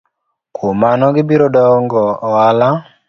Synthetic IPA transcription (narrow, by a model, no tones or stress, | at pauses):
kʰomanɔɡɪbiɾɔdɔŋɡɔːala